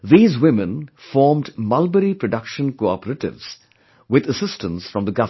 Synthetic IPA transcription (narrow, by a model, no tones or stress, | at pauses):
ðiːzwɪ̃mə̃nfɔːɹmdmʌlˠbəɾipɹɔɖʌkʃə̃nkoɑpəɾəʈɪ̰vz̥ | wɪðəsɪstə̃nsfɹʌ̃mðəɡʌv